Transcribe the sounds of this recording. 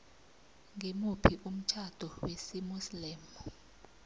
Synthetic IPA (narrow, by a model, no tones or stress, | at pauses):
ŋʱemupʰiʔum̩t͡ʃʰad̥ʱɔwesimuslɛːmɔ